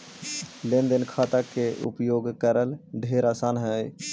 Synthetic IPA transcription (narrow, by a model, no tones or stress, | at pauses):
lẽnd̪ənkʰaːt̪akeʔʊ̰pjoːɡkəɾəlɖʱeːɾaːsaːnɦɛeː